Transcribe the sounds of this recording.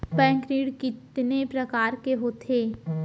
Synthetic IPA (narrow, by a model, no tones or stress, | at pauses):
pɛ̃ːŋkɾiːɽkɪt̪nepɾɐkaːɾkeɦoːt̪ʰeː